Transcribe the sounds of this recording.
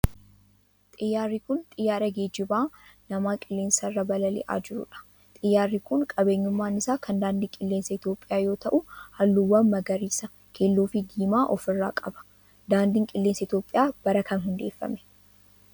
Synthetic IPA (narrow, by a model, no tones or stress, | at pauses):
t̪ʼɪjːaːrːikʊnt̪ʼɪjːaːɾɐɡeːd͡ʒɪbaːnɐmaːkʼɪlːeːnsɐrːɐbɐlɐlɪ̰ʔa̰ːd͡ʒɪɾʊ̰ᶑɐ̥ | t̪ʼɪjːaːrːikʊŋkʼɐbe̞ːɲːʊmːaːnɪsaːkʰɐnd̪aːnd̪ɪŋkʼɪlːeːnsɐɪt̪jo̞ːpʼːɪjaːjo̞ːt̪ɐʔʊhɐlːuwːɐnmɐɡɐɾiːsɐ | kʰeːlːuːfɪd̪iːmaːʔɔfɪrːa̰ːkʼɐbɐ̥ | d̪aːnd̪ɪŋkʼɪlːe̞ːnsɐɪt̪jo̞ːpʼːɪjaːb̥ɐɾɐkɐnɦʊnd̪e̞ːfːɐ̰mɛ̥